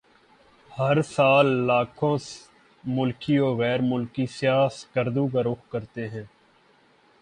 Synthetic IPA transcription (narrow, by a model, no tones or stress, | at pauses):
həɾsaːlːaːkʰõːs | mʊlkiːoːɣɛːɾmʊlkiːsɪjaːskəɾd̪uːkaɾʊxkəɾt̪eːɦɛ̃ː